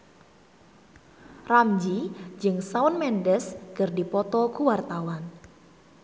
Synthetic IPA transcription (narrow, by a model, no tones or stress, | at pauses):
ramd͡ʒid͡ʒɨŋsaʊnmɛndɛskɨrdipɔt̪ɔkuwart̪awan